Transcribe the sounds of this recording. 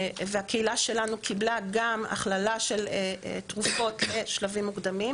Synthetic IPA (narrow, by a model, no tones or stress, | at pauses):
veakeilaʃe̞lanukʰiblaɡama̰χlalaʃe̞let̪ʁufo̞tle̞ʃlavimːuɡd̪amim